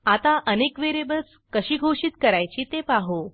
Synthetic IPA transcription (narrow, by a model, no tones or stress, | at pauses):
at̪aʔənekʋeɾebəs | kəɕiːɡʱoɕit̪kəɾajt͡ɕiːt̪epaɦo